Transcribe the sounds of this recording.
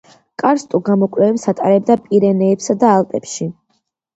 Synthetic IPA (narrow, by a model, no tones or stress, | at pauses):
kʼaɾst̪ʼuɡamɔkʼɾɛvɛpsat̪ʼaɾɛb̚d̪apʼiɾɛnɛːpsad̪aːlˠpʼɛpʃi